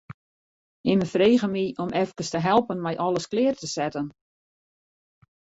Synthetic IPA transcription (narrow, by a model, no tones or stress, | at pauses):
ɪməfreːɣəmiʔɔmʔɛfkəstəɦɛlˠpənmɛjʔɔlˠəsklɪːrtəsɛtən